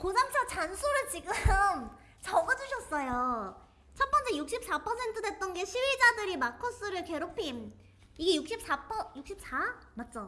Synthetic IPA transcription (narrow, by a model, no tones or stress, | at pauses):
konamt͡ɕʰʌt͡ɕansʰoɾɯɭt͡ɕiɡɯm | t͡ɕʌɡʌd͡ʑuɕʰʌs͈ʌjo | t͡ɕʰʌt̚p͈ʌnt͡ɕ͈ejuk̚ɕ͈ip̚s͈ʰapʰʌsʰe̞ntʰɯdwe̞t̚t͈ʌnɡe̞ɕʰiwɥid͡ʑadɯɾimakʰos͈ɯɾɯɭke̞ɾopʰim | iɡe̞juk̚ɕ͈ip̚s͈apʰʌjuk̚ɕ͈ip̚sʰa | mat̚t͡ɕ͈o